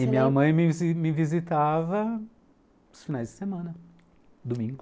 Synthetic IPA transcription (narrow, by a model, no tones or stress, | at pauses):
ɪmĩɲɐmɐ̃j̃mɪzmɪvizit̪avɐ | ʊsfinajzd͡ʒɪ̥semɐ̃nɐ | d̪umĩŋɡʊ